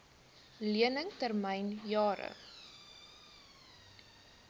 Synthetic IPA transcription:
liənəŋtərmɛjnjɑːɾə̰

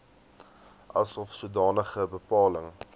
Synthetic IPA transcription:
ʔɐ̰sɔfsuədɑːnəχəbəpɑːləŋ

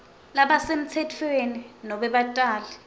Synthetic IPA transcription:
laɓasem̩t͡sʰɛtʰweninɔɓɛɓatʼaːlɛ

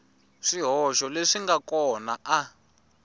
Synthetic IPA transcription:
ʂiɦɔʃɔleʂiŋɡakɔnaʔa

